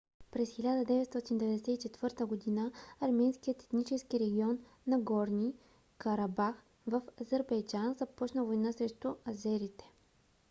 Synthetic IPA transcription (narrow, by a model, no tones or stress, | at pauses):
pɾɛsxilʲad̪əd̪ɛvɛt̪st̪ɔt̪ind̪ɛvɛd̪ɛsɛit͡ʃɛt̪vɤɾt̪əɡod̪inəɐɾmɛnskijət̪ɛ̥t̪nit͡ʃɛskiɾɛɡʲiɔnː | ɐɡɔɾnʲi | kɐɾabax | vəfɐzəɾbɛjd͡ʒanzɐpɔt͡ʃnəvojnasɾɛʃt̪ʊɐzɛɾit̪ɛ̥